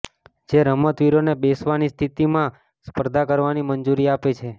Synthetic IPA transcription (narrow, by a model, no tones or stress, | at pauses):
d͡ʒeɾəmət̪ʋiɾonebesʋanist̪ʰit̪imã | spəɾd̪ʱakəɾʋanimənd͡ʒuɾiapet͡ʃʰe